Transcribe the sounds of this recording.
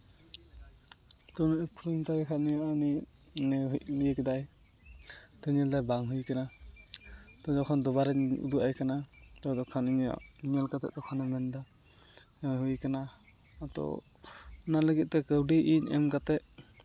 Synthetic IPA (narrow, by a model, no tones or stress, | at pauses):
t̪ɔnkʰutumt̪aɾɛkʰanijaʔaninɛɦlijəkɛd̪aj | t̪ɔɲɛlt̪ajbaŋɦujkana | t̪ɔd͡ʒɔkʰɔnd̪ɔbaɾɛṵd̪uʔajkanat̪ɔd̪ɔkʰaniɲja̰ʔɲɛlkat̪ɛ̰ʔd̪ɔkʰɔnɔmɛnd̪a | ɦujkana | t̪ɔ̰ | naləɡit̪̚ˀt̪ɛkəwɖiʔinɛmkat̪ɛʔ̚